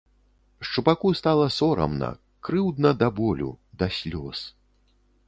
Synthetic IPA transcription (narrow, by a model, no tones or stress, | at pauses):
st͡ʂupakust̪alˠɐsɔɾɐ̰mnɐ̰ | kɾɨwd̪nɐd̪abɔlʲṵd̪ɐsʲlʲɔs